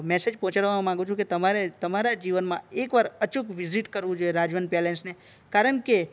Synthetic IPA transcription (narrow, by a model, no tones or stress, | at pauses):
mɛsed͡ʒpɔ̃ɦɔ̃t͡ʃaɽʋamãŋɡũt͡ʃʰũket̪əmaɾet̪əmaɾad͡ʒiʋənmãekʋaɾət͡ʃukʋiziʈkəɾʋũd͡ʒoeɾad͡ʒʋənpelẽnsne | kaɾəɳ̃ke